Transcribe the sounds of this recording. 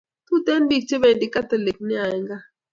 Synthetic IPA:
t̪u˦t̪e˦nbi˦˧k̚t͡ʃe˦βe˨nd̪i˦ka˦t̪ə˨le˨k̚ni˦a˨e˧˦ŋɡa˦

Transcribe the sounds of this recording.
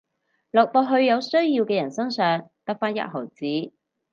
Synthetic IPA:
lɔː˨k̚pɔː˧ɦɵ˧ɥjɐ˨˧wsɵ˥ɥjiː˧wkɛː˧jɐ˨˩nsɐ˥ŋsœː˨ŋt̪ɐ˥k̚faː˥njɐ̰˥t̚ɦɔː˨˩t͡siː˨˥

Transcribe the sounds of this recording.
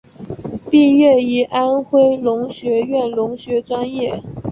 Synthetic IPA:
pi˥˧ɥɛ˥˩i˧˥ʔa˥nxwe˥ɪlʊ˧˥ŋɕɥɛ˧˥ɥɛ˥˩nlʊ˧˥ŋɕɥɛ˧˥ʈ͡ʂwa˥njɛ˥˩

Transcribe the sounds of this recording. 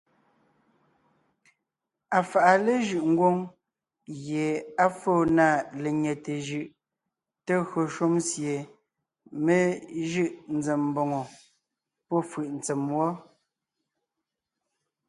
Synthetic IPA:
a˨fa˨ʔa˨le˦ʒɯ˦˨ʔŋ̩˦ɡwo˦ŋ | ɣje˨a˦foː˦˨na˦˨le˨ɲɛ˨te˨ʒɯ˨ʔ | te˦ɣo˨ʃu˦msje˨ | me˦ʒɯ˦ʔn̩˦d͡zɛ˨m˨bɔ˨ŋo˨ | pɔ˦fɯ˨ʔn̩˨t͡se˨mwɔ˦

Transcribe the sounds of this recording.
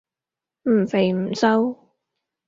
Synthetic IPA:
m̩˨˩fe˨˩jm̩˨˩sɐ˥w

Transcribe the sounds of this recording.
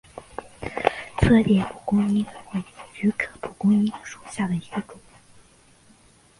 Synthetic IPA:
t͡sʰɤ˥˧t̪jɛ˥˩pu˨˩kʊ˥ŋi˥ŋ˧˩xwe˥˩ɪt͡ɕy˧˥kʰɤ̥˧˩pʰu˨˩kʊ˥ŋi˥ʂu˨˩ɕja˥˩d̪ə˩i˧˥ɡə˧ʈ͡ʂʊ˨˩˦

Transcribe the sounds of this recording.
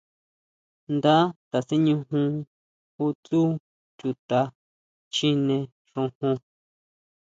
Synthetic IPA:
nd̪a˦t̪a˨sĩ˦ɲũ˧ɦũ˧ | u˧t͡su˦ | t͡ʃu˨t̪a˧ | t͡ʃi˧nẽ˧ | ʂũ˧hũ˧

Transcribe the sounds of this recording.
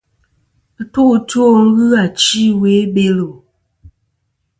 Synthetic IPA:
tu˦ʔto˦ŋ̩˦ɣɨ˦a˨t͡ʃi˦we˨˦be˦lo˨

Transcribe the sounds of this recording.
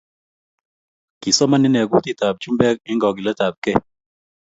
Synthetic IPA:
ki˨sɔ˦ma˦nɪ˦nɛ˨ɡu˦ti˦˨ta˨b̚t͡ʃu˦mbɛ˦k̚ɪ˦ŋɡɔ˨ɡɪ˨la˦ta˨b̚ke˦

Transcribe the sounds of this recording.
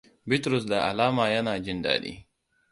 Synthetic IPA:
bɪ˦tɾɔ˨s̬da˨ʔa̰˨laː˦maː˨jɐ˦naː˨d͡ʒɪ˦nda̰ː˦ɗḭː˦

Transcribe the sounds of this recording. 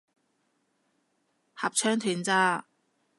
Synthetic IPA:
ha̰ː˨p̚t͡ʃʰœː˥ŋt̪ʰyː˨˩nt͡saː˥

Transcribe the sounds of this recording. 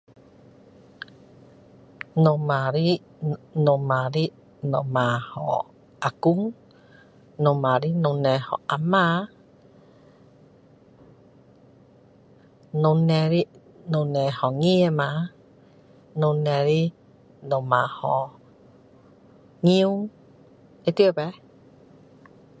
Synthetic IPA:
nomaɾi | no˨maɾi˦ | nɔ˨mahɔ̰ | akuŋ | no˨maɾino˧nɛ˨hɔ̰˨ʔama | nõ˧nɛ̃˧ɾi˦ | nõ˧nɛ̃˨hɔ˨ŋĩ˦e˧mã˧ | nõ˧nɛ̃˧ɾi˦ | nõ˨mã˨hɔ˨ | ŋĩ˦ũ˦ŋ | e˧t̪i˦e˧βɛ˧

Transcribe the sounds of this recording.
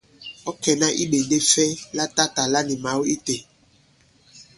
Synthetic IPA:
ɔ˦kɛ˨na˦ʔi˦ɓe˨nde˦fɛ˦la˦ta˦ta˨la˦ni˨ma˨˦wi˦te˨

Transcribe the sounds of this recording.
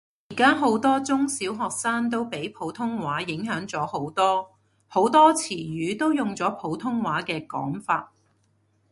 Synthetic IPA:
jjiː˨˩kaː˥ɦo˨˥wt̪ɔː˥t͡sʊ˥ŋsiː˨˥wɦɔː˨k̚saː˥ŋt̪̬o˥wpe˨˥jpʰo˨˥wt̪ʰʊ˥ŋwaː˨˥jɪ˨˥ŋɦœː˨˥ŋt͡sɔː˨˥ho˨˥wt̪ɔː˥ | ho˨˥wt̪ɔː˥t͡sʰiː˨˩jɥyː˨˥t̪o˥wjʊ˨ŋt͡sɔː˨˥pʰo˨˥wt̪ʰʊ˥ŋwaː˨˥kɛː˧kɔ̰ː˨˥ŋfa̰ː˧t̚

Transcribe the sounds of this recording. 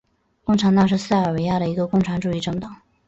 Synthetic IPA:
kʊ˥˧ŋʈ͡ʂʰa˧˥ŋt̪ɑ˨˧ŋʂ̬ɻ̩˥˧sɹ̩˥˩ə˞˨˩we˧˥ɪja˥˩ɾə˩i˧˥ɡə˧kʊ˥˧ŋʈ͡ʂʰɑ˧˥ŋʈ͡ʂu˥˩i˥˧ʈ͡ʂɤ˥˩ŋt̪ɑ˨˩˦ŋ

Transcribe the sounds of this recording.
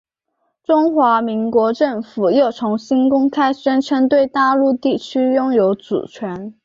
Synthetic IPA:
ʈ͡ʂʊ˥ŋxwa˧˥mi˧˥ŋkwɔ˧˥ʈ͡ʂɤ˥˩ŋfu˨˩jo˥˩ʊt͡sʰʊ˧˥ŋɕi˥nkʊ˥ŋkʰa˥ɪʂə˥nʈ͡ʂʰə˥nt̪we˥˧ɪt̪a˥˧lu˥˧t̪i˥˩t͡ɕʰy˥jʊ˥ŋjo˧˥ʊt͡sṵ˨˩t͡ɕʰɥɛ˧˥n

